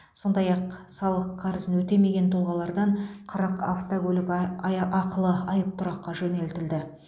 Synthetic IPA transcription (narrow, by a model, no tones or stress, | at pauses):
so̞nd̪ɑjɑqsɑlˠəqʰːɑɾəzənwɵt̪e̞me̞ɡʲe̞nt̪ʰʊlˠʁɑlˠɑɾd̪ɑɴqʰɑɾɑqaft̪oɡɵlʲɪkʔɑqəlˠəɑjəp̚t̪ʰʊɾɑqːɑʒɵne̞lt̪ɪld̪ɪ